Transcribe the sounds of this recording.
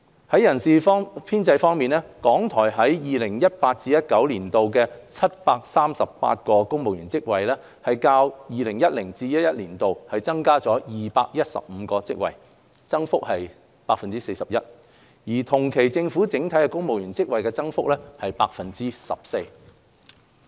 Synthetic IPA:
hɐ˨˥jɐ˨˩nsiː˨˧fpʰiː˥nt͡sɐ˧jfɔː˥ŋmiː˨nɛː˥kɔː˨˥ŋt̪ʰɔː˨˩jɦɐ˨˥jjiː˨lɪ˨˩ŋjɐ˥t̚paː˧t̚t͡siː˧jɐ˥t̚kɐ˨˥wliː˨˩nt̪o˨wkɛː˧t͡sʰɐ˥t̚paː˧k̚saː˥msɐ˨ppa̰ː˧t̚kɔː˧kʊ˥ŋmo˨wjyː˨˩nt͡sɪ˥k̚wɐ˨jlɛː˥ | hɐ˨jkaː˧wjiː˨lɪ˨˩ŋjɐ˥t̚lɪ˨˩ŋt͡siː˧jɐ˥t̚jɐ˥t̚liː˨˩nt̪o˨whɐ˨jt͡sɐ˥ŋkaː˥t͡sɔː˨˥jiː˨paː˧k̚jɐ˥t̚sɐ̰˨p̚m̩ː˨˧kɔː˧t͡sɪ̰˥k̚wɐ̰˨˩j | t͡sɐ˥ŋfʊ˥k̚hɐ˨j | paː˧k̚fɐ˨nt͡siː˥se˧jsɐ˨p̚jɐ˥t̚ | jiː˨˩t̪ʰʊ˨˩ŋkʰe˨˩jt͡sɪ˧ŋfuː˨˥t͡sɪ˨˥ŋt̪ʰɐ˨˥jkɛ˧kʊ˥ŋmo˨wjyː˨˩nt͡sɪ˥k̚wɐ˨jkɛ˧t͡sɐ˥ŋfʊ˥k̚lɛː˥hɐ˨jpaː˧k̚fɐ˨nt͡siː˥sɐ̰˨p̚se˧j

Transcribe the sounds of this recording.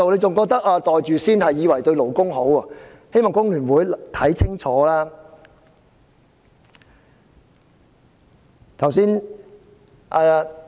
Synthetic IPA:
wnle˨˧jt͡sʊ˨ŋkɔː˧k̚t̪ɐ˥k̚aː˧t̪ɔː˨jt͡ʃyː˨siː˥nɦɐ˨jːiː˨˧wɐ˨˩jt̪ɵ˧ɥlo˨˩wkʊ˥ŋɦo˨˥wɐː˨ | he˥jmɔː˨ŋkʊ˥ŋlyː˨˩nwuː˨˥jt̪ʰɐ˨˥jt͡sʰɪ˥ŋt͡ʃʰɔː˨˥laː˥ | t̪ʰɐ˨˩wsiː˥n | ʔaː˧

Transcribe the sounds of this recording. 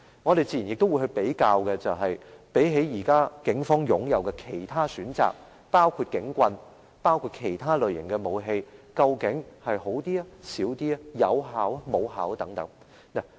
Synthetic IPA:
ŋɔː˨˧d̪e˨jt͡siː˧jjɪ˨k̚t̪o˥wu˨˧jhɵ˧ɥpe˨˥jkaː˧wkɛ˧t͡sɐ˨wɦɐ˨jpe˨˥jɦe˨˥jjiː˨˩kaː˥kɪ˨˥ŋfɔː˥ŋjʊ˨˥ŋjɐ˨˧wkɛ˧kʰe˨˩jt̪ʰaː˥syː˨˥nt͡sa̰ː˨k̚ | paː˥wkʰuː˧t̚kɪ˨˥ŋkʷɐ˧n | paː˥wkʰuː˧t̚kʰe˨˩jt̪ʰaː˥lɵ˨ɥjɪ˨˩ŋkɛː˧mo˨˧wɦe˧jkɐ˧wkɪ˨˥ŋhɐ˨jho˨˥wt̪iː˥a˥siː˨˥wt̪iː˥a˧jɐ̰˨˧wɦaː˨˥wamo˨˧wɦaː˨˥wt̪ɐ˨˥ŋt̪ɐ˨˥ŋ | na˨

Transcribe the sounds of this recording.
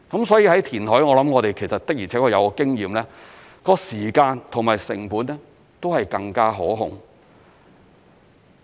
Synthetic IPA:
kɐ˨˥msɔː˨˥jiː˧hɐ˨˥jt̪ʰiː˨˩nɦɔː˨˥jŋɔː˧lɐ˨˥mŋɔː˨˧t̪e˨jkʰe˨˩sɐ˨t̚t̪ɐ˥k̚jiː˨˩t͡sʰɛː˨˥kɔː˧jɐ˨˧wkɔ˧kɪ˥ŋjiː˨mlɛː˥ | kɔː˧siː˨˩kaː˧nt̪ʰʊ˨˩ŋmaː˨˩jsɪ̰˨˩ŋpuː˨˥nɛ˥ | t̪o˥whɐ˨jkɐ˧ŋkaː˥ɦɔː˨˥ɦʊ̰˨ŋ

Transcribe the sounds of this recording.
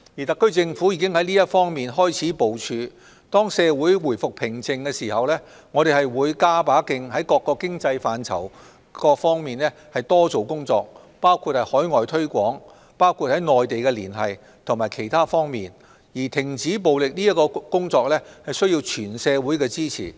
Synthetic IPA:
ji˨˩t̪ɐ˨kːɵ˥ɥt͡sɪ˧ŋfu˨˥jiː˨kɪ˥ŋhɐ˨˥jliː˥jɐ˥t̚fɔː˥ŋmiː˨nɦɔː˥jt͡sʰiː˨˥po˨˧wt͡ʃʰyː˨˧ | t̪ɔː˥ŋsɛː˧wuː˨˥jwuː˨˩jfʊ˨k̚pʰɪ˨˩ŋt͡sɪ˨˧ŋkɛː˧siː˨˩hɐ˨wlɛː˥ | ŋɔː˨˧ɾe˨˩hɐ˨jwuː˨˧jkaː˥paː˨˥kɪ˧ŋhɐ˨˥jkɔː˧kːɔː˧kːɪ˥ŋt͡sɐ˧jfaː˨nt͡sʰɐ̰˨˩w | kɔː˧fɔː˥ŋmiː˨nlɛ˥ | hɐ˨˩jt̪ɔː˥t͡so˨wkʊ˥ŋt͡sɔː˧k̚ | paː˥wkʰu˧t̚hɐ˨jhɔː˨˥jŋɔː˨jt̪ʰɵ˥ɥkʷɔː˨˥ŋ | paː˥wkʰu˧t̚hɐ˨˥jŋɔː˨jt̪e˨jkɛ˧liː˨˩nɦɐ˨j | t̪ʰmaː˨˩jkʰe˨˩jt̪ʰaː˥fɔː˥ŋmiː˨n | jiː˨˩t̪ʰɪ˨˩ŋt͡siː˨˥p̬o˨wlɪ˨k̚liː˥jɐ˥t̚kɔː˧kʊ˥ŋt͡sɔː˧k̚lɛː˥hɐ˨jsɵ˥ji˧wt͡ʃʰyː˨˩nsɛː˧wu˨˥jkɛː˧t͡siː˥t͡sʰḭː˨˩

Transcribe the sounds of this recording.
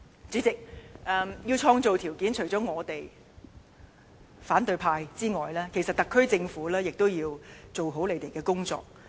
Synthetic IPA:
t͡sy˨˥t͡sɪ˨k̚ʔɛ˨mjiː˧wt͡ʃʰɔː˧ŋt͡so˨wt̪ʰiː˨˩wkiː˨˥nt͡ʃʰɵ˨˩t͡sɔː˨˥ŋɔː˨˧t̪e˨j | faː˨˥nt̪ɵ˧ɥpʰaː˧jt͡siː˥ŋɔː˨˩jlɛː˥kʰe˨˩jsɐ˨t̚t̪ɐ˨kʰːɵ˥ɥt͡sɪ˧ŋfuː˨˥lɛː˥jɪ˨k̚t̪o˥wjiː˧wt͡so˨wɦo˨˥wle˨˧jt̪e˨jkɛː˧kʊ˥ŋt͡sɔ̰ː˨k̚

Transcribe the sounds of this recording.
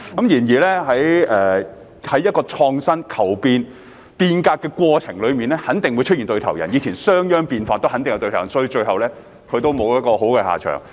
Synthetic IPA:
kɐ˨˥mjiː˨˩njiː˨˩lɛː˥ɦɐ˨˥jɛː˨ | hɐ˨˥jɐ˥t̚kɔː˧t͡ʃʰɔː˧ŋsɐ˥nkʰɐ˨˩wpiː˧n | piː˧nkaː˧k̚kːɛː˧kʷwɔː˧t͡ʃʰɪ˨˩ŋlɵ˨˧ɥmiː˨nlɛː˥hɐ˨˥nt̪ɪ˨ŋwu˨˧jt͡ʃ̚ʰiː˨˩nt̪ɵ˧ɥt̪ʰɐ˨˩wjɐ̰˨˩njiː˨˧t͡sʰiː˨˩nsœː˥ŋjœː˥ŋpiː˧nfaː˧nt̪whɐ˨˥nt̪ŋjɐ˧wt̪ɵ˧t̪ʰːjsɔː˧˥jiː˧t͡ʃɵ˧ɥɦɐ˨wlɛː˥ | kʰɵ˨˧ɥt̪o˥wmo˨˧wjɐ˥t̚kɔː˧ho˨˥wkɛː˧ha̰ː˨˩t͡ʃʰœ̰ː˨˩ŋ

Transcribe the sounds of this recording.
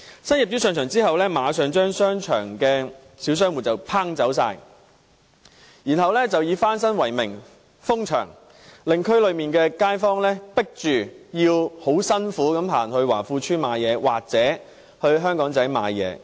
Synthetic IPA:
sɐ˥nji˨p̚t͡sy˥sœː˨˧ŋt͡ʃʰœː˨˩ŋt͡siː˥hɐ˨wlɛː˥maː˨˧sœː˨˧ŋt͡ʃœː˥ŋsœː˥ŋt͡ʃʰœ̰ː˨˩ŋkɛː˧ | siː˨˥wsœː˥ŋwu˨˩t͡sɐ˨˩wpʰaː˥ŋt͡sɐ˨˥wsaː˧j | jiː˨˩nɦɐ˨wlɛː˥t͡sɐ˨wjiː˨˧faː˥ns̬ɐ˥nwɐ˨˩jmɪ˨˩ŋ | fʊ˥ŋt͡ʃʰœ̰ː˨˩ŋ | lɪ˨ŋkʰɵ˥lɵ˨˧ɥmiː˨nkɛː˧kaː˥jfɔː˥ŋlɛː˥pɪ˥k̚t͡ʃyː˨˩jiː˧who˨˥wsɐ˥nfuː˨˥kɐ˨˥mɦa̰ː˨˩nhɵ˧ɥwaː˨˩fuː˧t͡ʃʰyː˥maː˨˧jɛː˨˧wa̰ː˨k̚t͡sɛː˨˥ | hɵ˧ɥɦœː˥ŋkɔː˨˥ŋt͡sɐ˨˥jma̰ː˨˧jjɛ̰ː˨˧

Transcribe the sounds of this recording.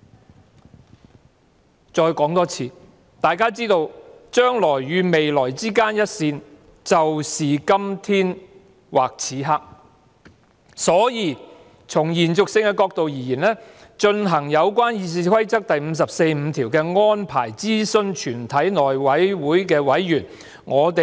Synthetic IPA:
t͡ʃɔː˧jkɔː˨˥ŋt̪ɔː˥t͡sʰiː˧ | t̪aː˨jkaː˥t͡siː˥t̪o˧wt͡ʃœː˥ŋlɔː˨˩jːyː˨˧me˨jlɔː˨˩jt͡siː˥kaː˥njɐ˥t̚siː˧n | t͡sɐ˨wsiː˨kɐ˥mt̪ʰiː˥n | waː˨˩k̚t͡sʰiː˨˥ɦaː˥k̚ | sɔː˨˥jiː˨˧ | t͡sʰʊ˨˩ŋjiː˨˩nt͡sʊ˨k̚sɪ˧ŋkɛ˧kɔː˧k̚t̪o˨wjiː˨˩jiː˨˩nlɛː˥t͡ʃɵ˧nɦɐ˨˩ŋjɐ˨˧wkʷwaː˥njiː˨˧s̬iː˧kʰɐ˥jt͡sɐ˥k̚t̪ɐ˨jm̩˨˧s̬ɐ˨p̚se˧jm̩˨˧˥t̪ʰiː˨˩wkɛː˧ŋɔː˥npʰa̰ː˨˩jt͡siː˥sɵ˧nt͡ʃʰyː˨˩nt̪ʰɐ˨˥jnɔː˨˩jwɐ˨˥jwuː˨˥jkɛː˧wɐ˨˥jjyː˨˩n | ŋɔː˨˧t̪e˨

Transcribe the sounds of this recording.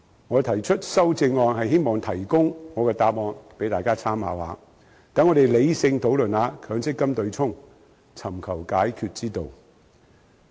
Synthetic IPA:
ŋɔː˨˧t̪ʰɐ˨˩jt͡ʃʰɵ˥t̚sɐ˥wt͡sɪ˧ŋːɔː˨˧nhɐ˨jhe˥jmɔː˨ŋt̪ʰɐ˨˩jkʊ˥ŋŋɔː˨˧kɛː˧t̪aː˧p̚mɔː˨˧npe˨˥jt̪aː˨jkaː˥t͡sʰaː˥mha̰ː˨˩wha̰ː˨˧ | t̪ɐa˨˥nŋːɔː˨˧t̪e˨jle˨˧jsɪ˧ŋt̪ʰo˨˧˥wlɵ˨naː˨˧kʰœː˨˥ŋsɪ˥kːɐ˥mt̪ɵ˧ɥt͡sʰʊ˥ŋ | t͡sʰɐ˨˩mkʰɐ˨˩wkaː˨˥jkʰy˧t̚t͡siː˥t̪o˨˧w

